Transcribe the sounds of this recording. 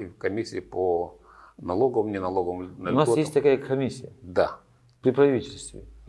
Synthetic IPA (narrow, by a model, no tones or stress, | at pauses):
kɐmʲisʲɪːpo | nɐlˠoɡəvəmnʲɪnɐlˠoɡəmnəlʲʊnasɡ̪jesst̪ʲt̪ɐkajəkʰɐmʲisʲːɪjəd̪a | pɾʲɪpɾɐvʲitʲɪlʲst̪vʲɪ̰